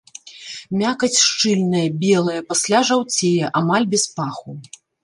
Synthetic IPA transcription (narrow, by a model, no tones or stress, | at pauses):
mʲakɐt͡sʲʂt͡ʂɨlʲnɨjɐbʲɛlˠɨjɐpasʲlʲaʐawt͡sʲejɐʔamalʲbʲɛspaxu